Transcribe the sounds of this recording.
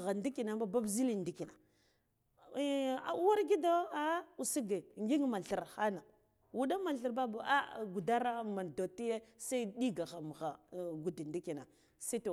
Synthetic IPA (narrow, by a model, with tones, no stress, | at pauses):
ɣa˨ndi˦ki˨na˨a˦ba˦bzi˦li˦ndi˦ki˨na˨˦ | a̰˨u˦wa˦ɾɡi˦do˦a˦u˨si˦ɡe˨ŋɡi˦ŋ˦ma˨ɬi˨ɾxa˦na˨ | wu˨da˦ma˨ɬə˨ɾba˦ba˨a˦ɡu˨da˦ɾa˦ma˨n˨do˨ti˦je˦sa˦i˦di˦ɡa˨ɣa˨m˨ɣa˨ɡu˨di˨ndi˦ki˨na˨ | si˦to˨